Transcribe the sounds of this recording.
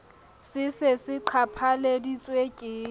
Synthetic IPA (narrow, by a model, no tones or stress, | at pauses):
sɪsɪsɪǃʰapʰaledit͡sʼwekʼɪː